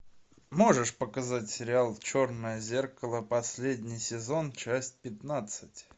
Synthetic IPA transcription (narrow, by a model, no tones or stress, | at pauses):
mo̞ʐɨʂpəkɐzatʲsʲɪɾʲɪalˠt͡ɕornəjəzʲerkəlˠəpɐsʲlʲedʲnʲɪjsʲɪzo̞nt͡ɕæsʲt̚ʲpʲɪt̪nat̪sɨtʲ